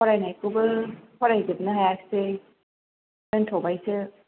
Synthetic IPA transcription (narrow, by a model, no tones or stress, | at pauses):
pɔɾajnajkubɯkʰɔɾajɡɯb̚nɯɦajakse | ɯntʰowbajsɯ